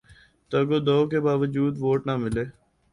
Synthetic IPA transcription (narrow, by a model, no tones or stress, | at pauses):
t̪oɡoːd̪oːkebaːʋəd͡ʒuːd̪ʋoːʈnaːmɪleː